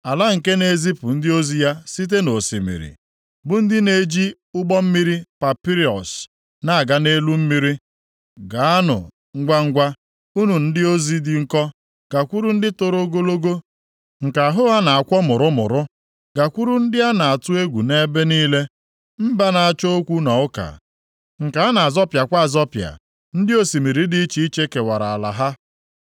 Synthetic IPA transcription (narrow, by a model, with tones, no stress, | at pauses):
a˨la˦ŋ̩˨ke˦ne˨zi˦pʊ˨n̩˦dɪ˦o˦zi˦ja˦si˦t̬e˦no˨sḭ˨mḭ˨ɾḭ˨ | bʊ˨n̩˦dɪ˦ne˨˦d͡ʒi˦ | ʊ˦ɡ͡bɔ˦m̩˦mi˦ɾi˦pa˨pi˦ɾi˨ɔ̰˨s | na˦a˨ɡa˨ne˦lu˦m̩˦mi˦ɾi˦ | ɡa˨a˦nʊ̰˨ | ŋ̩˦ɡʷa˦ŋ̩˦ɡʷa˦ | u˦nu˨n̩˦dɪ˦o˦zi˦dɪ˨ŋ̩˦kɔ˦ | ɡ̥a˨kʷu˦ɾu˦n̩˦dɪ˦tʊ˦ɾo˦ɡo˦lo˦ɡo˦ | ŋ̩˨ka˨ɦʊ˦a˦na˨a˨kʷɔ˦mʊ˨ɾʊ˦mʊ̰˨ɾʊ˦ | ɡa˨kʷu˦ɾu˦n̩˦dɪ˦a˦na˨a˨tʊ˦e˦ɡʷu˨ne˦be˦niː˦le˦ | m̩˦ba˦na˨a˨t͡ʃo˦o˦kʷu˦na˨ʊ˦ka̰˨ | ŋ̩˨ka˨a˦na˨a˨zɔ˦pja˨kʷa˦a˦˨zɔ˦pja̰˨ | n̩˦dɪ˦o˦si˨mi˨ɾi˦di˦i˦t͡ʃi˦i˦t͡ʃe˦ke˨wa˨ɾa˨a˨la̰˨ɦa˦